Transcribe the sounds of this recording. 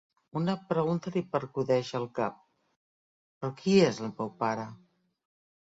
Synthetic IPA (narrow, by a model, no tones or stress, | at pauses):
unəpɾəɣunt̪əlipəɾkuðɛʃəːlˠkap̚ | pɾɔkʰiezəlmɛwpaɾə